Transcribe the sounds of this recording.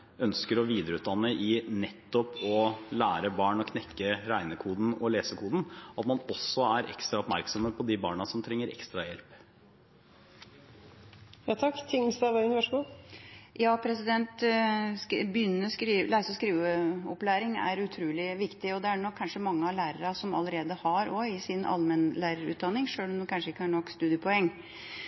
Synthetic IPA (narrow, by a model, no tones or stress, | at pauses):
œnskəɾɔʋiːd̪əɾəʉːt̪d̪ɑnːəʔɪnɛt̪ːɔpɔlæːɾəbɑːɳɔkʰnɛkːəɾæɪnəkʰuːd̪n̩ɔleːsəkʰuːd̪n̩ɑt̪mɑnɔsːɔæɾɛ̰kst̪ɾɑɔpmæɾksɔməpʰɔd̪ɪbɑ̰ːɳɑsɔmt̪ʰɾɛŋːəɾɛ̰kst̪ɾɑjɛlp | jɑt̪ʰɑkːt̪ʰɪŋst̪ɑʋɑnʋɑʂɡuː | jɑːpʰɾɛsɪd̪ɛnt̪ | bjʏnːəskɾiːlæɪsɔskɾiːʋəɔplæːɾɪŋæ̰ɾʉt̪ʰɾuːlɪʋɪkt̪ɪɔd̪ɛæɳɔkʰːɑnʂəmɑŋːəɑlæːɾəɾɑsɔmɑ̰ləɾeːd̪əhɑɾɔɪsɪnɑ̰lmɛnlæːɾəɾʉ̰ːt̪̚d̪ɑnːɪŋʂøːɭɔmd̪ɛkʰɑnʂəɪkːəhɑːɳɔkːst̪ʉːd̪ɪəpʰɔɛŋː